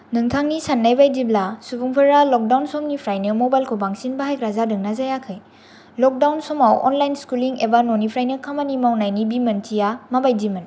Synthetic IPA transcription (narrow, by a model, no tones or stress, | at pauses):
nɯŋtʰaŋnisanːajbajdiblasubuŋpʰɯɾalɔk̚dawnsɔmnipʰɾajnɯmobajlkʰobaŋsinbahajkɾazadɯŋnazajakʰɯj | lɔk̚dawnsɔmawɔ̰nlajnskuliŋebanonipʰɾajnɯkʰamanimawnajnibimɐntʰijamabajdimɯn